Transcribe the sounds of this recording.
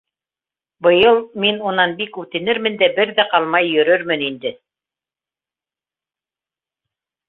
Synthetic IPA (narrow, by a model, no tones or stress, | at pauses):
bɤ̆jɤlˠminunɑnbikʉt̪ɘ̆nɘɾmɘ̆nd̪æbɘɾðæqɑlˠmɑjːɵ̆ɾɵɾmɘnind̪ɘ